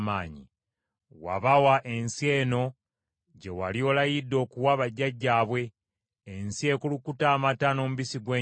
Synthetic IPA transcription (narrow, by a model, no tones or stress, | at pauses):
maːɲḭ | wa̰βawaʔe̞nsie̞ːno̞ | ɟe̞wa̰lio̞lajidːo̞ːkuwaβaɟːaɟːaːβwe̞ː | nsie̞ːkulukutaːmatano̞ːmuβisiɡwe